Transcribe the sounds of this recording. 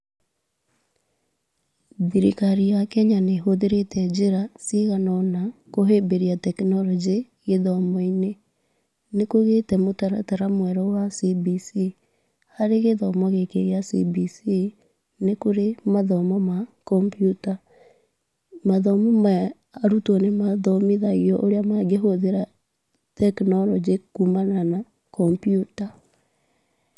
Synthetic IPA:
ðiɾikaɾijakɛɲaneɦoðeɾetɛd͡ʒeɾasiɣanɔnakoɦebeɾiatɛknɔlɔd͡ʒe | ɣeðɔmɔine | nekoɣetɛmotaɾa̰taɾamwɛɾɔwasibisi | haɾeɣeðɔmɔɣekḛɣeasḭbisi | nekoɾemaðɔmɔmakɔmpjuta | maðɔmɔma | aɾutɔnemaðɔmiðaɣiɔʔoɾeamaɡeɦoðeɾa | tɛknɔlɔd͡ʒekumanana | kɔmpjuta

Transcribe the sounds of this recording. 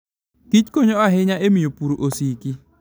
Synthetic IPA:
ɡ̥it͡ʃkoɲoaɦɪɲaʔemiopuɾoʔosiki

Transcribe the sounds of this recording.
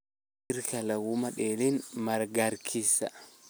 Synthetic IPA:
ɪɾkɐlɐwumɐᶑeːlinmɐɾɡɐɾkʰisɐ

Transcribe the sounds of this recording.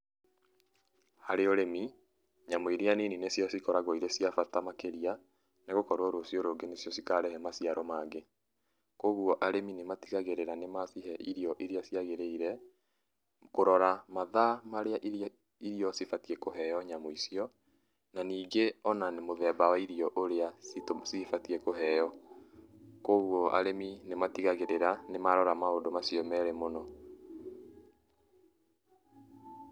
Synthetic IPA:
haɾeoɾemi | ɲamoiɾeanininesjɔsikɔɾaɣɔiɾesiafatamakeɾia | neɣokɔɾoɾoːsjɔɾoɡenesjɔsikaɾɛhɛmasiaɾɔmaːɡe | koɣuɔʔaɾeminematiɣaɣeɾeɾanemaθiɦɛʔiɾiɔʔiɾiasiaɣeɾeiɾɛ | koɾɔɾamaðamaɾeaʔ | iɾiɔsifatiɛkoɦɛjɔɲamoisiɔ | naniːɡeɔnanemoðɛːbawaiɾiɔʔoɾeasifatiɛkoɦɛjɔ | koɣwɔa̰ɾeminematiɣaɣeɾeɾanemaɾɔɾamaondomasjɔmɛɾɛmonɔ

